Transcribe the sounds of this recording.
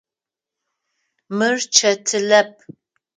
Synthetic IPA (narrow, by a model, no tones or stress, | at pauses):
mɨrt͡ʃʰɐtʰɨlɐp̚ʰ